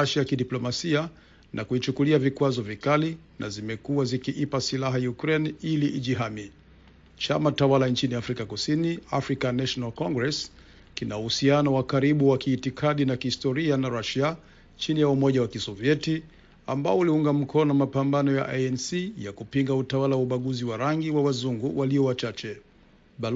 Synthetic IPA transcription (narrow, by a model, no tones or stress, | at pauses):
aʃajakiɗiplɔmasia | nʔakuit͡ʃukuliavikwazɔvikali | na̰zimɛkuwazikiʔipasilaɦajukɾɛniliʔiʄiɦami | t͡ʃamatawalaɲt͡ʃiniafɾikakusiniafɾikanaʃɔnalkɔŋɡɾɛs | kinauhusianɔwakaɾiɓuwakiːtikʰaɗinakihistɔɾianaɾaʃia | t͡ʃinijaumɔʄawakisɔviɛti | a̰mbaɔuliuŋɡam̩kɔnɔmapambanɔja̰ʔaɛnsijakupiŋɡautawalawauɓaɠuziwaɾaŋɡiwawazuŋɡuwʔaliɔwat͡ʃat͡ʃɛ | ɓa